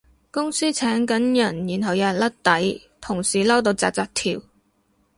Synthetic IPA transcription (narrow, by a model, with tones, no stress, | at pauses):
kʊ˥ŋsiː˥t͡sʰɛː˨˥ŋkɐ˨˥njɐ˨˩njyː˨˩nɦɐ˨˩wjɐ˨˧t̚lɐ˥t̚t̪ɐ˨˥j | t̪ʰʊ˨˩ŋsiː˨˩lɐ˥wt̪o˧wt͡sa̰ː˧k̚t͡saː˧k̚t̪ʰiː˨˩w